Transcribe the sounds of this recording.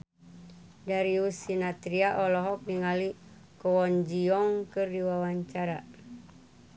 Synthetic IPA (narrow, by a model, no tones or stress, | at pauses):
daɾiusinat̪ɾiaʔɔlɔɦɔk̚niŋali | kɔwɔnd͡ʒiɔŋkɨrdiwawaɲt͡ʃaɾa̰